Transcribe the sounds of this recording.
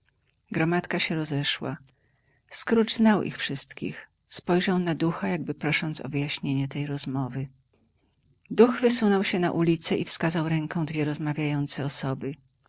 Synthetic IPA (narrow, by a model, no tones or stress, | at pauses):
ɡɾɔmat̪kaɕɛɾɔzɛʂwa̰ | skɾud͡ʐznawʔḭxfʂɘst̪kʲḭx | spɔjʐawnad̪uxajaɡ̚bɘpɾɔʂɔnt̪sɔ̰vɘjaɕɲeɲɛt̪ɛjɾɔzmɔvɘ | d̪uɣvɘsunɔwɕɛna̰ʔulʲit̪sɛifskazawɾɛŋkɔ̃w̃d̪vʲjɛɾɔzmavʲjajɔnt̪sɛɔsɔbɘ